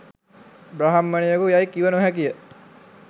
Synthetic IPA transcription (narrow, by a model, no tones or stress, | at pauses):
bɾaɦamːənijəkujajkiʋənuɦækijə